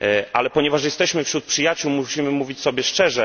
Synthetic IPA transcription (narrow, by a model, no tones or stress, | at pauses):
ʔalɛpɔɲɛvaʂjɛst̪ɛɕmɘfɕɾut̪̚pʂɘjat͡ɕuwmuɕimɘmuvʲit͡ɕsɔbʲjɛʂt͡ʂɛʐɛ